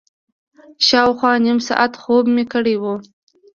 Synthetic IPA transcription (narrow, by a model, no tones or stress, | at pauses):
ʃɑwxwɑnimsɑ̰ʔat̪xobmekəɽewu